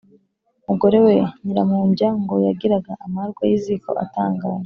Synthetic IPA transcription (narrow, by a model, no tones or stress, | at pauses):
muɡo̞ɾe̞we̞ɲiɾamuːɲɟaŋɡo̞jaɡiɾaɡaʔamaɾɡwajiziko̞̰ʔa̰taːŋɡaːʒa